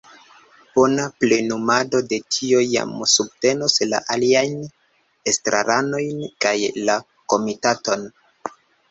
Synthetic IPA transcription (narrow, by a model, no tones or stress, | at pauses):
b̥o̞naple̞numado̞de̞tʰiojːa̰msub̚te̞nosla̰ʔaliajn | estɾʔa̰ɾʔano̞jnkajla | ko̞mitato̞n